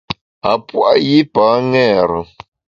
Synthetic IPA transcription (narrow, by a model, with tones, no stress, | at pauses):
a˨pwa˦ji˦paː˨˦ŋɛː˦˨ɾə˨